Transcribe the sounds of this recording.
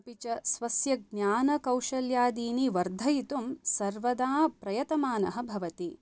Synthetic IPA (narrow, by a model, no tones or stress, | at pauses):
pit͡ʃɐsʋɐsjɐɡ̚njaːnɐkɐwʃɐljaːd̪iːniʋɐɾd̪ʱɐjit̪umsɐɾʋɐd̪aːpɾɐjɐt̪ɐmaːnɐɦɐbʱɐʋɐt̪i